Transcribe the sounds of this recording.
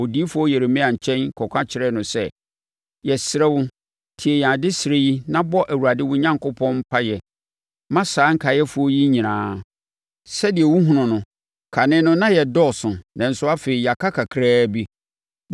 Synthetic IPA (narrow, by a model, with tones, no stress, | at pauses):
o˨di˦i˦fʊ˦ɔ˦jɛ˨ɾe˨mɪ̃˦ã˨t͡ɕʰɛ̃˦nkʰɔ˨kʷʰã˦t͡ɕʰɪ˨ɾɛ˦˨nʊ̃˨sɛ˦ | jɛ˨sɪ˨ɾɛ˦wʊ˦ | tʰi˨ɛ˨jã˨dɪ˦sɪ˨ɾe˦ji˦nã˦bɔ˦ʔæ˨wu˨ɾa˨dɪ˦wʊ˦ɲã˦ŋkʰʊ˦pʰɔ̃˦nm̩˦pʰa˦jɛ˨ | mã˦saː˨˦ŋ̩˦kʰa˨jɛ˦fʊ˦ɔ˦ji˦ɲĩ˨nãː˨˦ | sɛ˦dɪ˨ɛ˨wu˦ɦũ˨nʊ̃˨nʊ̃˨ | kʰa˨nɪ̃˦nʊ̃˦nã˦jɛ˨dɔ˦˨sʊ̃˨nã˨n̩˨sʊ˦a˦fe˨i˨ja˨kʰa˦kʰa˨kʰɾaː˦bi˦